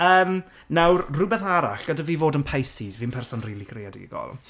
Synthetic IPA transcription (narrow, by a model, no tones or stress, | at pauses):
əːm | nawrrʊbɛθaɾa̰ɬɡ̥ədaviːvoːdənpʰajsizviːənpʰɛrsɔnriːlˠikʰrejadḭɡɔ̰lˠ